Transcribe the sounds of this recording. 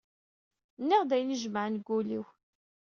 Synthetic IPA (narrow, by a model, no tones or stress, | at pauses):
nːiʁd̪æjniʒəməʕnɡʷːuliw